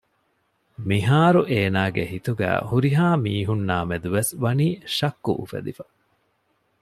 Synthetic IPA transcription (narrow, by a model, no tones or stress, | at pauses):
miɦaːɾuʔeːnaːɡeɦit̪uɡæ̰ːhuɾiɦaːmiːɦunːaːmed̪uʋesʋɐniːʃɐkːṵʔufḛd̪ifɐ̥